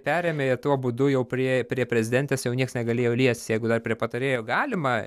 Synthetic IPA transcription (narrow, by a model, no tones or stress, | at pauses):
pʲæːɾʲeːmʲeːɪt̪uɔbʊd̪ʊjɛʊpʲɾʲiɛpʲɾʲiɛpʲɾʲɛzʲɪd̪ʲɛnʲt̪ʲeːsjɛʊnʲiɛksnʲɛɡɐlʲeːjoːlʲiɛsʲtʲsjɛɪɡʊd̪ɐrpʲɾʲiɛpɐt̪ɐɾʲeːjoːɡɑːlʲɪmɐ